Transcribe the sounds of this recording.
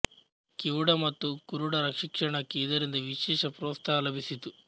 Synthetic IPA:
kiwuɽɐmɐt̪ːukuɾuɽɐɾɐkʂikʂɐɳɐkiːd̪ɐɾind̪ɐʋiʃɛːʂɐpɾɔːst̪ʰaːlɐbʱisit̪u

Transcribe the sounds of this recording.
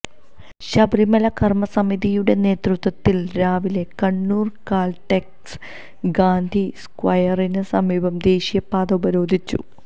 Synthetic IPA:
ɕɐbɾimɐlɐkɐrmɐsɐmiðijuɽe̞ne̞ːt̪rut̪wɐt̪ːilɾaːʋile̞kɐɳːuːrkaːlʈek | s | ɡaːnd̪ʱiskwɐjɐrinɨsɐmiːbɐmd̪e̞ːɕijɐpːaːd̪ɐubɐɾo̞ːd̪ʱit͡ɕːṵ

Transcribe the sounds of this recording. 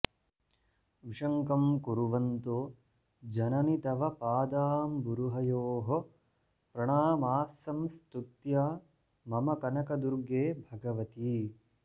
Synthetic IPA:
ʋiʂɐŋkɐmkuɾuʋɐnt̪oː | d͡ʒɐnɐnit̪ɐʋɐpaːd̪aːmbuɾuɦɐjoːɦo | pɾɐɳ̃aːmaːsɐmst̪ut̪jaː | mɐmɐkɐnɐkɐd̪uɾɡeːbʱɐɡɐʋɐt̪iː

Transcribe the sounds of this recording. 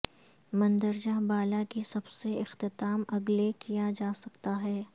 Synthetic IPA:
mɐ̃nd̪əɾd͡ʒaɦbaːlakisɐbseɪxt̪ɪt̪aːmɐɡlekijad͡ʒaːsɐkt̪aɦɛː

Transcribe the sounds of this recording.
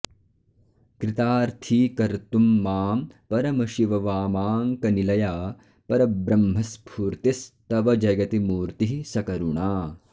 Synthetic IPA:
kɾit̪aːɾt̪ʰiːkɐɾt̪umːaːmpɐɾɐmɐʃiʋɐʋaːmaːŋkɐnilɐjaː | pɐɾɐbɾɐmɦɐspʰuːɾt̪ist̪ɐʋɐd͡ʒɐɡɐt̪imuːɾt̪iɦisɐkɐɾuɳaː

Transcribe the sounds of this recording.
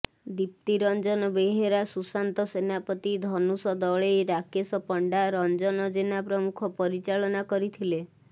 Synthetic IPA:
d̪ip̚t̪iɾɔnd͡ʒɔnɔbeɦeɾasusant̪ɔsenapɔt̪id̪ʱɔnusɔd̪ɔɭeɾakesɔpɔɳɖaɾɔnd͡ʒɔnɔd͡ʒenapɾɔmukʰɔpɔɾit͡ʃaɭɔnakɔɾit̪ʰile

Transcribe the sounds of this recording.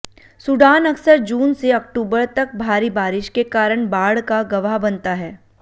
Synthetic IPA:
suɖaːnɐksəɾd͡ʒuːnseɐk̚ʈuːbəɾt̪ɐk̚bʱaːɾibaːɾɪʃkekaːɾəɽ̃baːɽkaɡɐʋaɦbɐnt̪aɦɛː

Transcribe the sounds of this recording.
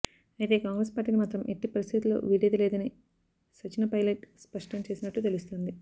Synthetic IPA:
ɐjt̪e̞ːkaːŋɡɾespaːɾʈːiːnimaːt̪ɾɐmʔe̞ʈːipɐɾist̪ʰit̪ulːo̰ːʋiɽeːd̪ɐleːd̪ɐni | sɐt͡ʃinɐpɐjleʈspɐʂʈɐmt͡ʃe̞ːsinɐʈːut̪e̞lust̪oːnd̪i

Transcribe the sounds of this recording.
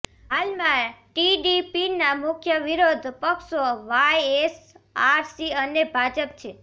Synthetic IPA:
ɦalmãʈiɖipinamʊkʰjəʋiɾod̪ʱpəkʃoʋajesaɾsiənebʱad͡ʒəp̚t͡ʃʰe

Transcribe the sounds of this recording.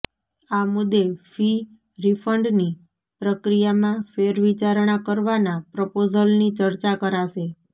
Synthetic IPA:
amʊd̪ːefi | ɾifʰəɳɖni | pɾəkɾijamãfeɾʋit͡ʃaɾɳ̃akəɾʋanapɾəpozəlnit͡ʃəɾt͡ʃakəɾaʃe

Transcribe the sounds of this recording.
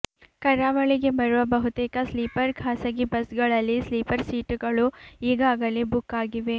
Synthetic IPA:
kɐɾaːʋɐɭiɡe̞bɐɾuʋɐbɐɦut̪ɛːkɐsliːpɐɾkʰaːsɐɡibɐsɡɐɭɐlːisliːpɐɾsiːʈuɡɐɭuiːɡaːɡɐlibukːaːɡiʋe̞

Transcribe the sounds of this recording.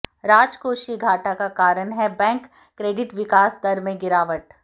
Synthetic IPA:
ɾaːd͡ʒkoːʃiɡʱaːʈakakaːɾənɦɛbɛ̃ːŋkː | ɾeːɖɪʈʋɪkaːsd̪ɐɾmẽɡɪɾaːʋəʈ

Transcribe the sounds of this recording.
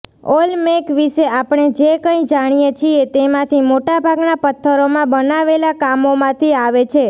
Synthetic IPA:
olmekʋiʃeapɳ̃ed͡ʒekə̃ĩd͡ʒaɽ̃ijet͡ʃʰiet̪emãt̪ʰimoʈabʱaɡnapət̪ʰːəɾomãbənaʋelakamomãt̪ʰiaʋet͡ʃʰe

